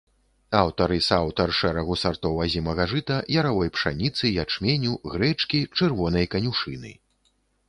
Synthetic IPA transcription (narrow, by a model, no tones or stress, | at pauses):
awt̪ɐɾɨsawt̪ɐrʂɛɾɐɣusart̪ɔwazʲimɐɣaʐɨt̪ɐjɐɾavɔjpʂa̰nʲit̪sɨjat͡ʂmʲenʲuɣɾɛt͡ʂkʲit͡ʂɛrvɔnɐjkɐnʲuʂɨnɨ̰